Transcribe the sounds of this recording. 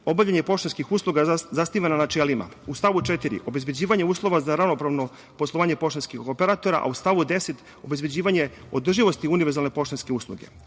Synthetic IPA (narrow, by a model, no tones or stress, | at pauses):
o̞baʋʎaɲe̞po̞ʃt̪anskixuːslˠuɡazasniʋananat͡ʃeːlima̰ust̪aʋut͡ʃet̪iɾḭʔo̞be̞zbed͡ʑiːʋaɲeuːslˠo̞ʋazaɾaʋno̞pɾaʋno̞ | poslˠoʋaːɲe̞po̞ʃt̪anskixopeɾat̪o̞ɾa̰ʔa̰ust̪aʋud̪e̞se̞t̪ | o̞be̞zbed͡ʑiːʋaɲe | o̞d̪r̩ʒiʋo̞st̪iuniʋeɾzalne̞po̞ʃt̪anske̞uːslˠṵɡe̞̰